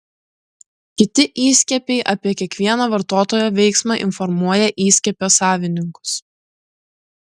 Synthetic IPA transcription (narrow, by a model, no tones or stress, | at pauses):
kʲɪt̪ʲɪʔiːsʲkʲɛpʲɛɪʔɐpʲiɛkʲiɛkʋʲiɛnɐʋɐɾt̪oːt̪oːjoːʋʲɛɪksmɑːʔɪnfɔɾmuɔjɛʔiːsʲkʲɛpʲoːsɑːʋʲɪnʲɪŋkʊ̥s